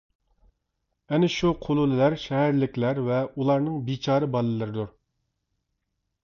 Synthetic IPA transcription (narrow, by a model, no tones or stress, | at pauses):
ɛnɪʃuqʰolˠulɨlæɾʃɛɦæɾlɪkʲlæɾvɛulˠɑɾnɨŋbit͡ʃʰɑːɾɨbɑlˠɨlˠɨɾɪd̪uɾ